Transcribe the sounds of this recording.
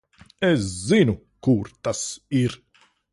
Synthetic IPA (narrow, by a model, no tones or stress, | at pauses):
ɛzinu | kuɾt̪asiɾ